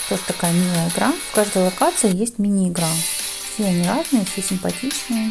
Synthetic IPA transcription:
t̪oʐət̪ɐkajəmʲilˠəjəɪɡɾafkaʐd̪əjlˠɐkat̪sɨɪjesʲtʲmʲɪnʲɪːɡɾa | fsʲeɐnʲɪɾaznɨjəfsʲesʲɪmpɐtʲit͡ɕnɨjə

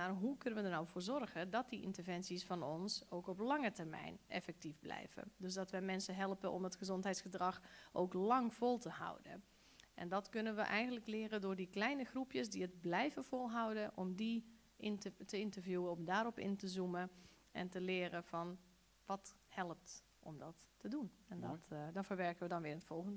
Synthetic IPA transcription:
marɦukɵnəʋədərnawvoːɹzɔrɣədɔt̚diʔɪ̰ntəɹvɛnsisfɑnɔnsowkɔplɑŋətərmɛ̰jnʔɛ̰fɛk̚tifblɛ̰jvə̰døsdɔtʋɛjmɛnsəɦɛlˠpəʔɔ̰mətxəzɔntɦɛjtsxədrɑxʔo̰ːklɑŋfɔlˠtəha̰wdə | ʔɛ̰ndɔtkɵnənʋəʔɛjɣəndləklɪːəɾəndʊːɹdiklɛjnəxrupjəsdiəd̚blɛjvəv̥olˠɦawdənʔɔmdi | təɪntəvjuəɔmdaːɾɔpɪ̰ntəzumə | ʔɛ̰ntəlɪːɾəv̥ɑn | ʋɑthɛlˠəp̚t | ʔɔ̰mdɔtːədunɛndɔtdɔfəɹʋɛɹkəʋədɔnʋɪːɹətfɔlˠxəndə

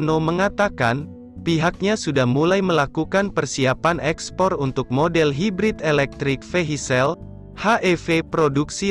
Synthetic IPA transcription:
noməŋat̪aka̰n | piɦak̚ɲasudahmulajməlakukanpərsiapanɛkspɔrunt̪ʊk̚modɛlɦibɾit̪elɛk̚t̪ɾik̚feɦisɛl | haʔefepɾoduksi

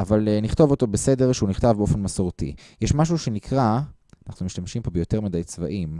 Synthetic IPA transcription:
avalniχt̪o̞vo̞t̪o̞bese̞de̞ʁʃeuniχt̪avbeofe̞nmasoʁtḭ | jɛʃmaʃ̬uʃenikʁa | anaχnumiʃt̪amʃimpo̞bejo̞te̞ʁmad̪ajt͡sva̰ʔim

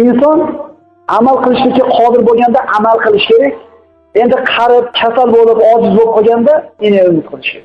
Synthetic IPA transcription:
ɪnsɒn | amalˠqɨlˠɪʃlʲɪkʲɪqʰɒd̪ɪɾboɡʲand̪aʔamalˠqɨlˠɪʃkʲe̞ɾakʲ | e̞nd̪ɪqʰɑɾɪp̚kʲʰasalbolɪpɒd͡ʒɪzbop̚qʰoɡʲand̪aeneʊmɪt̪̚qʰɨlˠɪ̥ʃkʲeɾa

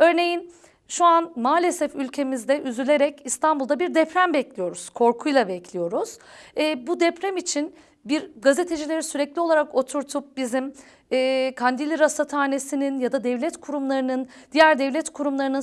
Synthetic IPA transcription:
ø̞ɾne̞jin | ʃuanmaːlʲe̞sɛfylʲcʰe̞mizd̪ɛʔyzylʲe̞ɾɛcist̪ʰanbulˠd̪abiɾd̪ɛpɾæmbɛclʲijo̞ɾuz̥kʰo̞ɾkʰujlˠabɛclʲijo̞ɾuz̥ɛːbud̪ɛpɾɛmit͡ʃʰin | biɾɡaze̞t̪ʰe̞d͡ʒilʲe̞ɾisyɾɛclʲio̞lˠaɾako̞t̪ʰuɾt̪ʰup̚bizim | ɛːkʰand̪ilʲiɾasat̪ʰaːne̞sininjad̪ad̪ɛvlʲɛt̪kʰuɾumlˠaɾɯnɯnd̪̥ijæɾd̪ɛvlʲɛt̪kʰuɾumlˠaɾɯnɯn

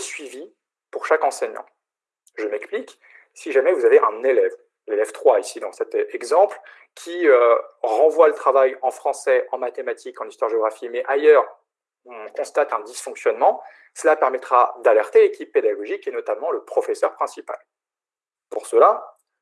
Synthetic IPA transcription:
sɥivi | puʁʃakɑ̃sɛɲɑ̰̃ | ʒəmɛksplik | siʒamɛvuzaveʔɛ̃nelɛv | lelɛvt̪χwaisid̪ɑ̃sɛt̪ɛɡzɑ̃pl | kʲʰiøʁɑ̃vwalət̪χavajɑ̃fχɑ̃sɛɑ̃mat̪emat̪ʰikɑ̃nist̪waʁʒeɔɡʁafimɛʔajœʁ | ɔ̃kɔ̃st̪at̪ɛ̃d̪isfɔ̃ksjɔnmɑ̃ | səlapɛʁmɛt̪χad̪alɛʁt̪elekʲipːed̪aɡɔʒikenɔt̪amɑ̃ləpχɔfɛsœʁpχɛ̃sipa̰l | puʁsəla

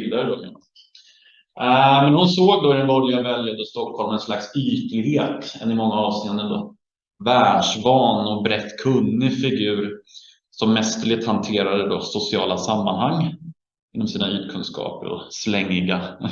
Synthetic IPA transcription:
ld̪aɾəd̪ɔmɛ̰ | mɛnhʊnsoːɡ̚d̪ɔɪɾɛnbɔɾjanvɛljad̪əst̪ɔkʰhɔlmɛnslaksyːt̪ɪɡheːt̪ɛ̰nːɪmɔŋːaɑːvseːənənd̪ɔ̰ | væːɖʂvɑːnɔbɾɛt̪ːkʰɵnːɪfɪɡʉ̟ːɾ | sɔmːɛst̪əɭɪt̪hant̪ʰeːɾad̪əd̪ɔ̰sʊsɪɑːlasamːanhaŋː | ɪnːɔmsiːnayːt̪kʰɵnskɑ̰ːpə̰ɾɔ̰slɛŋːɪɡa

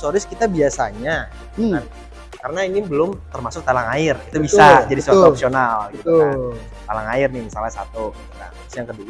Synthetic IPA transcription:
soɾɪskit̪abiasa̰ɲa | a | kaɾənainibəlʊmt̪ərmasʊk̚t̪alaŋaɪrit̪ubisad͡ʒadisat̪uɔpsionalɡit̪ | t̪alaŋaɪrnɪhmisalasat̪uɡiut̪a̰tʊsjaŋkədu

